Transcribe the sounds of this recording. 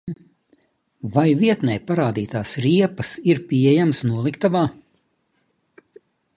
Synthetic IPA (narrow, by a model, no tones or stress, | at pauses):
vajviɛt̪nɛjpaɾaːd̪iːt̪aːsɾiɛpɐsiɾpʲiɛjamsnuɔlˠikt̪avaː